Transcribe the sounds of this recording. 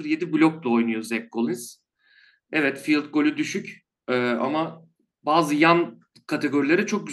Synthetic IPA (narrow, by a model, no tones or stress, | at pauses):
ɯɾje̞d̪iblʲok̚lˠao̞jnujozɛk̚ɡolˠinz̥ | ɛvɛt̪filˠt̪̚ɡo̞lʲyd̪yʃyc | ɛːʔa̰ma | baːzɯjan | kʰat̪ʰe̞ɡo̞ɾilʲeɾɛt͡ʃʰo̞k̚ɟyz